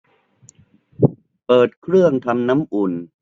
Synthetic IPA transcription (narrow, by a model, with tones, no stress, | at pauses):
pɤː˨˩t̪̚kʰɾɯ˥˩əŋt̪ʰa˧mna˦˥mʔu˨˩n